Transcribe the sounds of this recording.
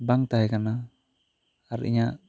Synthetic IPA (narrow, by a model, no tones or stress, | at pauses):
baŋt̪aɦɛkana | ɾʔḭɲa